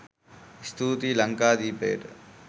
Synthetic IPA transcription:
st̪uːt̪iːlɐŋkaːd̪iːpeːʈ

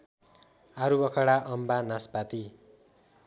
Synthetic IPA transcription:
aɾubʌkʰʌɽaʔʌmbanaspat̪i

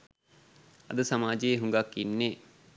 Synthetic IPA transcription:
ɐ̰d̪əsɐmaːd͡ʒeɦuŋɡakːinːe

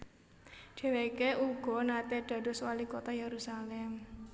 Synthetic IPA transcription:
d͡ʒ̥e̤weikeʔuɡ̥ɔ̤nat̪eɖ̥ä̤d̥o̤swalikot̪ajeɾusalɛm

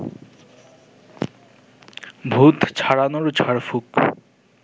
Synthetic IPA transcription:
bʱut̪t͡ɕʰaɽanoɾt͡ɕʰaɾfuk

